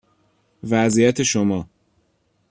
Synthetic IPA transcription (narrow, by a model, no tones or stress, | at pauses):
væzijæt̪ʰe̞ʃomɒː